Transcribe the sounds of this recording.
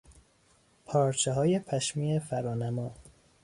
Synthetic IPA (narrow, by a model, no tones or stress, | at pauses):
pʰɒːɾt͡ʃʰeɦɒːje̞pʰæʃmiːefæɾɒːnæmɒː